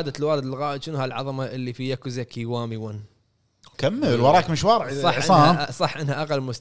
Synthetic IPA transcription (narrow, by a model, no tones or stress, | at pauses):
d̪alwaːld̪lɣaːʔɪʃɪnuhalʕɑ̰ðˤɑmaʔɪlːifiʔakuzakiwaːmiwan | kamːəlwɑɾˤɑːkmɪʃwɑɾˤʕsˤɑħːʔasˤɑħːʔɪnhaʔaqalːmʊst̪